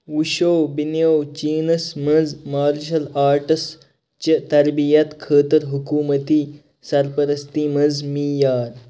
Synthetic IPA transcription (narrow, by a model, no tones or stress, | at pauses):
uʃowbinjowt͡ɕiːnɐsmɐzmaːɾʃɐlaːɾʈs | t͡ʃət̪ɐɾbijɐt̪kʰəːt̪əɾɦukuːmət̪iː | sɐɾpəɾɐst̪iːmɐzmiːjaːɾ